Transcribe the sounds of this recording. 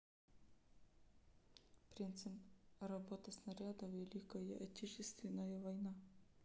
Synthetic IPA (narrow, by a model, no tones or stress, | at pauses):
pɾʲint̪sɨprɐbot̪ɐsnɐɾʲad̪ɐvʲelʲikɐjə̰ʔɐtʲet͡ɕɪst̪vʲɪnːəjəvɐjna